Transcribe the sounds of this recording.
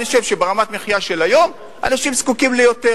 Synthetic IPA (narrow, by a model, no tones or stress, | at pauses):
iʃevʃebeʁamat̪meχijaʃe̞lajo̞m | ʔa̰naʃimskukimlejo̞t̪e